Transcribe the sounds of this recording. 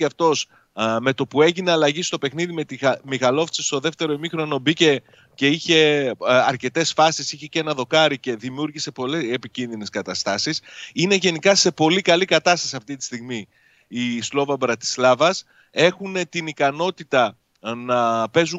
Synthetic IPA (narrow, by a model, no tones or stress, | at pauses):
ɐft̪o̞s | me̞t̪o̞pue̞ʝine̞ɐlɐʝist̪o̞pe̞xniðime̞t̪imixɐlo̞ft͡sist̪o̞ðe̞ft̪e̞ɾo̞imixɾo̞no̞bice̞ | ce̞içe̞ɐɾce̞t̪e̞sfɐsisiçe̞ce̞nɐðo̞kɐɾice̞ðimiuɾʝise̞po̞leepicinðine̞skɐt̪ɐst̪ɐsisine̞ʝe̞nikɐse̞po̞likɐlikɐt̪ɐst̪ɐ̥siɐft̪it̪i̥st̪iɣmi | islo̞vɐbɾɐt̪i̥slɐvɐs | e̞xune̞t̪inikɐno̞t̪it̪ɐ | nɐpe̞zu